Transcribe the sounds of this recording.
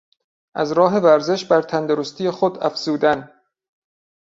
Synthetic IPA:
ʔæzɾɒːɦe̞væɾze̞ʃbæɾt̪ʰænd̪oɾost̪ʰijexod̪æfz̥uːd̪æn

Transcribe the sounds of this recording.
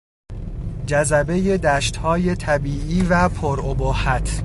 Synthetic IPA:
d͡ʒæzæbe̞je̞d̪æʃt̪hɒːje̞t̪ʰæbiːʔiːvæpʰoɾobohæt̪ʰ

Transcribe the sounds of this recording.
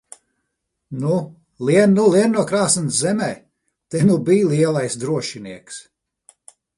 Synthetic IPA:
nu | liɛnːulˠiɛnːuɔkɾaːsɨnszɛmɛː | t̪ɛnubijliɛlˠajsd̪ɾuɔʃiniɛks

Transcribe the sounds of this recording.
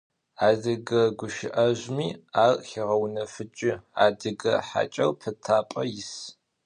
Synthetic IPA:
aːzɐɡɐɡʷʊʃɪʔɐʑʷmiːaːrxɪʁɐwnɐfɨt͡ʃʼɪa̰ːdɨɡɐħa̰t͡ʃʼɐrpʰɨtʰaːpʼɐjɪs

